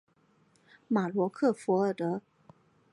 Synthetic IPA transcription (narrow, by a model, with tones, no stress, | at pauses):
ma˨˩lwɔ˧˥kʰɤ˥˩fu˧˥ə˥˩t̪ɤ˧˥